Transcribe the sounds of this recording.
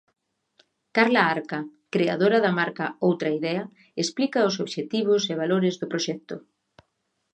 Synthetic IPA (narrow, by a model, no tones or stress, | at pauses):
kaɾlaaɾkɐkɾea̰ðoɾɐðɐmaɾkaowt̪ɾɐiðɛɐ | esplikɐʊsoβʃet̪iβ̞ʊseβ̞aloɾɪzðʊpɾoʃɛk̚t̪ʊ